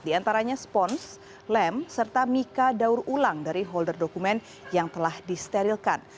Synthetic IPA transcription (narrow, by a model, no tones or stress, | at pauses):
diant̪aɾaɲaspɔns | lɛmsərt̪amikadaurulaŋdaɾiɦɔldərdokumɛn | jaŋt̪əlahdist̪eɾilkan